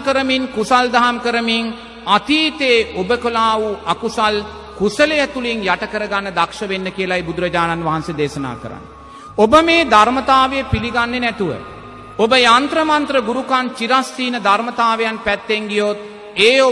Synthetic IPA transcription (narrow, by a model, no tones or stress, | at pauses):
kəɾəmiŋkusald̪aɦamkəɾəmiŋ | at̪iːt̪eːobəkolaːʋuakusal | kusəlejat̪uliŋjaʈəkəɾəɡanːəd̪akʂəʋenːəkijəlaibud̪uɾəd͡ʒaːnanʋaɦansed̪eːʃəna̰ːkə̰ɾa̰nː | obəmeːd̪ʱaɾmət̪aːʋejəpiliɡanːenɛt̪uʋə̰ | obəjant̪ɾəmant̪ɾəɡuɾukant͡ʃiɾasːiːnəd̪ʱarmət̪aːʋejanpæt̪ːeŋɡijot̪̚ | eːo